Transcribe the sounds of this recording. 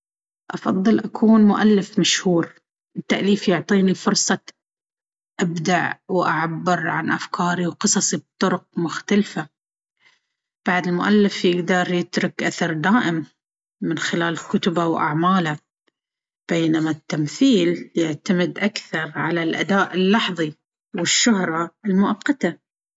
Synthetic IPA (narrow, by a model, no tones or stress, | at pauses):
ʔɑfɑðˤːɨlʔakʰuːnmʊʔalːɪfmaʃhuːɾ | ʔɪt̪ːaʔliːfjʊʕt̪ˤiːnifʊɾsˤɑ | ʔabd̪aʕwʔaʕabːɪɾʕa̰nʔafkʰɑːɾiwqɨsˤɑsˤibt̪ˤːʊɾʊq̚mʊxt̪alfa | b̥aʕd̪ɪlmʊʔalːɪfjɪɡd̪ɑɾˤjɪt̪ɾʊkʔaθɑɾˤd̪aːʔɪmː | ɪnxɪlaːlkʊt̪ʊbawʔa̰ʕmaːla | b̥eːnamat̪ːamθiːljɪʕt̪amɪd̪ʔakθɑɾˤʕalalʔa̰d̪aːʔɪlːɑħðˤi | wɪʃːʊhɾˤɑɪlmʊʔɑqːɑt̪a